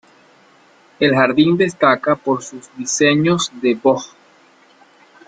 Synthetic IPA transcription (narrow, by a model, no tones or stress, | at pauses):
e̞lxaɾðind̪e̞st̪akapo̞ɾsuzdiseɲozðebox